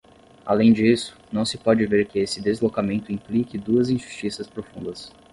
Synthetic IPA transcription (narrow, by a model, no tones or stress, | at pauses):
a̰lẽj̃d͡ʒisʊ̥nɐ̃w̃sɪpɔd͡ʒɪveɾkɪesɪd̪ezlokamẽnt̪ʊĩmplikɪd̪uɐzĩʒust͡ʃisɐspɾofũnd̪ɐs